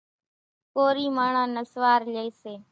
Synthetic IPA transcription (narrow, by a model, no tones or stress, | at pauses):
koːɾiːmaːɳãːnəsʋaːɾleːseː